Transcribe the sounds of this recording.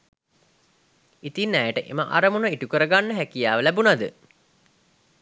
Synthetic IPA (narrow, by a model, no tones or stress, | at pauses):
it̪inːæjəʈəʔḛməʔa̰ɾəmunəiʈukəɾəɡanːəɦækijaːʋəlæbunad̪ə